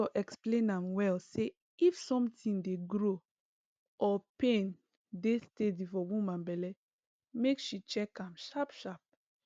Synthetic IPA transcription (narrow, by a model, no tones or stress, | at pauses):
ɔʔɛksplẽnãmwɛlse | ifsɔ̃mtĩndeɡɾo | ʔɔpẽn | destedifɔwumãnbɛlɛ | mekʃit͡ʃɛkãmʃapʃap̚